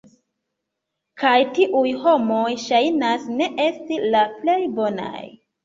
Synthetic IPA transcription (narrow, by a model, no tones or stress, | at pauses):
kajtiʔujho̞mo̞jʃajnasne̞ʔe̞stilaple̞jbo̞na̰j